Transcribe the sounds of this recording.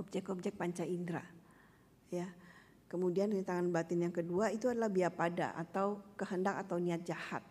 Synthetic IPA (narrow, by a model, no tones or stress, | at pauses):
ɔp̚d͡ʒɛkɔp̚d͡ʒɛk̚paɲt͡ʃaindɾa̰ | ja | kəmudianit̪aŋanbat̪ɪnjaŋkəduait̪uadalahbiapada̰ʔa̰t̪awkəɦəndakat̪awniat̪̚d͡ʒaha̰t̪̚